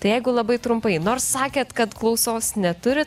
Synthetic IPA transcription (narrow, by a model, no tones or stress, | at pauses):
t̪ɐɪjɛɪɡʊlˠɐbɐɪt̪ɾʊmpɐɪnoːrsːɑːkʲeːt̪kɐt̪klˠɒʊsoːsnʲɛt̪ʊɾʲɪ